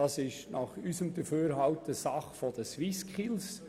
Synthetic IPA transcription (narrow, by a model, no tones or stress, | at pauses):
ɑsɪʃnɑχysəmd̪əføːɾɦɑʊtəsɑχfɔdəsʋiskʰχɪls